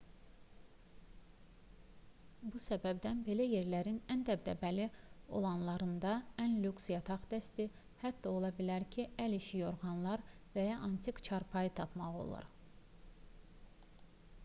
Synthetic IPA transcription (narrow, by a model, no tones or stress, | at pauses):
busæbæbd̪ænbe̞læje̞ɾlæɾinænd̪æb̚d̪æ̰bælio̞̰lˠɑnlˠɑɾɯnd̪ɑænlyksijɑt̪ʰɑχd̪æst̪i | hæd̪ːɑo̞lˠɑbilæɾcʰiæliʃijo̞ɾɣɑnlˠɑɾ | væjɑʔɑnt̪ʰikt͡ʃʰɑɾpʰɑjɯt̪ʰɑpmɑʁo̞̰lˠɑ̰ɾ